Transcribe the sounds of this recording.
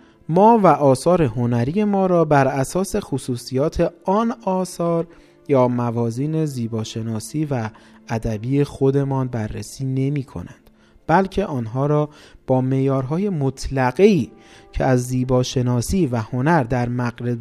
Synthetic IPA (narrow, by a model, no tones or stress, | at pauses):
mɒːvæʔɒːsɒːɾe̞ɦonæɾiːje̞mɒːɾɒːbæɾæsɒːse̞xosuːsijɒːt̪ʰe̞ɒːnɒːsɒːɾ | jɒːmævɒːziːne̞ziːbɒːʃe̞nɒːsiːvæːd̪æbiːexo̞d̪e̞mɒːnbærːesiːne̞miːkʰo̞̰nænd̪̥ | b̥ælcʰe̞ʔɒːnɦɒːɾɒːb̥ɒːme̞ʔjɒːɾɦɒːje̞mot̪ʰlæɡeiːcʰeæzːiːbɒːʃe̞nɒːsiːvæho̞næɾd̪æɾmæɣɾe